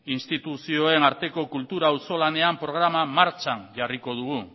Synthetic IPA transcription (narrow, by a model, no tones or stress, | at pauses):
inst̪it̪usio̞e̞naɾt̪e̞ko̞kult̪uɾauso̞lane̞ampɾo̞ɣ̞ɾamamaɾt͡ʃanʝariko̞ð̞uɣ̞u